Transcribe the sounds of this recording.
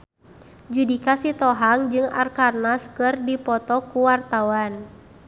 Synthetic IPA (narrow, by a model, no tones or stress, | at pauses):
d͡ʒudikasit̪ɔɦaŋd͡ʒɨŋa̰rkarnaskɨrdipɔt̪ɔkuwart̪awan